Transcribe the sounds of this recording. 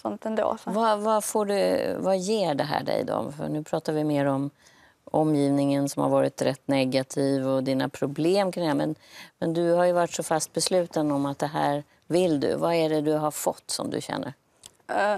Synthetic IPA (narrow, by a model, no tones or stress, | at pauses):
sɔnt̪ɛnd̪ɾɑ̰vavafoːɖɵvajeːɖɛɦæ̰ːɖɛ̰jd̪ɔ̰mfœ̰ɳʉ̟ːpʰɾɑːt̪aɾvɪmeːɾɔm | ɔmːjiːvnɪŋənsɔmha̰ɾvɑːɾɪt̪ɾɛt̪ːnɛɡat̪ʰiːvɔd̪ɪna̰pʰɾʊbleːmkʰɾɪŋæːmɛnmɛnd̪ɵɦaɾjɵvaʈːsɔfast̪̚bɛslʉ̟ːt̪anɔmat̪̚d̪ɛɦæːɾ | vɪld̪ɵ̰vaæɖɛd̪ɵɦaɾfɔ̰t̪ːsɔ̰md̪ɵ̰ɕɛ̰nːə̰ɾ